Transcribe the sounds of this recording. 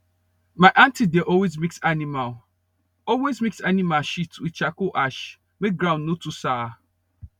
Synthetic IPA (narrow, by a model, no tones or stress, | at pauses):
maɪʔãntideʔɔlwezmiksanimal | ɔlwezmiksanimalʃitwit͡ʃakoʔaʃ | mek̚ɡɾãʊ̃nːotusa